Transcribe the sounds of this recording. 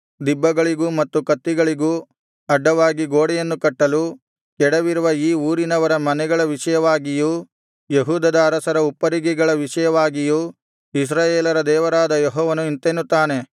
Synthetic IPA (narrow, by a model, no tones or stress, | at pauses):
d̪ibːɐɡɐɭiɡumɐt̪ːukɐt̪ːiɡɐɭiɡu | ɐɖːɐʋaːɡiɡoːɽɛjenːukɐʈːɐlu | kɛɽɐʋiɾuʋɐiːuːɾinɐʋɐɾɐmɐnɛɡɐɭɐʋiʂɐjɐʋaːɡijuː | jeɦuːd̪ɐd̪ɐːɾɐsɐɾɐupːɐɾiɡiɡɐɭɐʋiʂɐjɐʋaːɡijuː | is̬ɾaːjeːlɐɾɐd̪ɛːʋɐɾaːd̪ɐjɛɦɔːʋɐnuint̪enːut̪ːaːne̞